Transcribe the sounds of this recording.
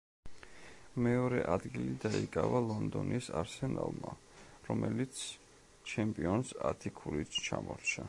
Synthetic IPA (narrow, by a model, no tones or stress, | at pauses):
mɛɔɾɛʔad̪ɡilid̪aikʼavalˠɔnd̪ɔnisaɾsɛnalˠma | ɾɔmɛlit̪sʰ | t͡ʃʰɛmpʼiɔnsat̪ʰikʰuɾit̪t͡ʃʰamɔɾt͡ʃʰa